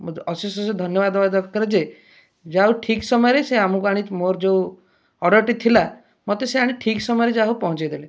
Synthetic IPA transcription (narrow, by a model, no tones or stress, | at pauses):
ɔsusɔsed̪ʱɔnjɔbad̪ɔbad̪ɔkkɔɾed͡ʒe | d͡ʒaɦuʈʰiksɔmɔjɾeseamukuaɽ̃it̪moɾd͡ʒew | ɔɽɔɾʈit̪ʰila | mɔt̪eseaɽ̃iʈʰiksɔmɔjɔɾed͡ʒaɦupɔɦɔ̃t͡ʃajd̪ele